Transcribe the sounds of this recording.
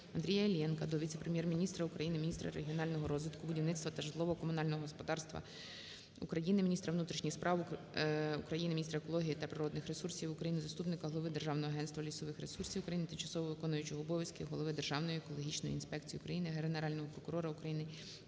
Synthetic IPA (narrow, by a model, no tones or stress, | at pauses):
ɐnd̪ʲɾʲijɐlʲjɛnkɐd̪ɔʋʲit̪seɛpɾemʲjɛrmʲinʲist̪ɾɐʊkɾɐjinɪmʲinʲist̪ɾɐ̰ɾeɦʲiɔnɑlʲnɔɦɔɾɔzʋɪt̪kʊbʊdʲiwnɪt̪st̪ʋɐt̪ɐʒɪd̪lˠɔʋɔkɔmʊnɑlʲnɔɦɔɦɔspɔd̪ɑrst̪ʋɐ̰ | ukɾɐjinɪmʲinʲist̪ɾɐʋnut̪ɾʲiʃnʲixspɾʔɑw | ukɾɐjinɪmʲinʲist̪ɾɐekɔlˠɔɦʲijit̪ɐpɾɪɾɔd̪nɪxɾesursʲiwʊkɾɐjinɪzɐst̪upnɪkɐɦɔlˠɔʋɪd̪erʒɑwnɔɦɔɐɦɛnst̪ʋɐlʲisɔʋɪxɾesursʲiwʊkɾɐjinɪt̪ɪmt͡ʃɐ̥sɔʋɔʋɪkɔnʊjʊt͡ʃɔɦɔːbɔʋʲjɐskɪɦɔlˠɔʋɪd̪e̞rʒɑwnɔjiekɔlˠɔɦʲit͡ʃnɔjʊ̰ḭnspɛkt͡sʲijiukɾɐjinɪɦeɾeneɾɑlʲnɔɦɔpɾɔkʊɾɔɾɐukɾɐjinɪ